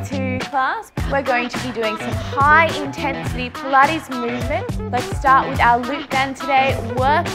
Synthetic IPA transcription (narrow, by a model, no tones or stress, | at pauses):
tʰʉkʰl̥æswɪɹɡoʊɪ̃ŋtʰɨbidʉɪ̃ŋsʌ̃mhaɪʔɪ̃ntʰɛ̃nsɨɾipʰlʌɾizmʉːvmɨ̃nʔlətstɑɹʔwɨðaʊəlʉk̚d̥æ̃ntʰɨdeɪwɜ˞k